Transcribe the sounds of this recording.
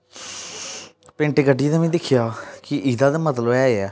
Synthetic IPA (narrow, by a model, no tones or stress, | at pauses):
pɪ̃ːɳʈeːɡəɖiːt̪aːmɛ̃ːd̪ɪkʰːɪjaːkɪʔiːd̪aːd̪aːmət̪ləbɛːeːɛː